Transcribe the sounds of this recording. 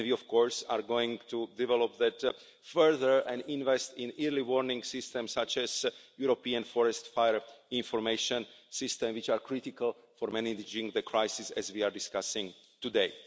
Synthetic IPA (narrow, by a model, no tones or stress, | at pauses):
nviɔfkɔɹsa̰ːɹɡoĩŋt̪udɛvɛlɔpðɛt | fɛɹðəɹɛ̃ndĩnvɛst̪ĩniɹliwɔɹnĩŋɡsɪst̪ɛ̃msat͡ʃɛzjuɾopiãnfɔɾɛst̪fajəɹĩnfɔɹmeɪʃɔ̃nsɪst̪ɛ̃mwit͡ʃaːɹkɹitikalˠ | fɔɾmɛnidd͡ʒĩŋðəkʰɹajsisɛ̰zwiaːɹdiskasĩŋ | t̪udeɪ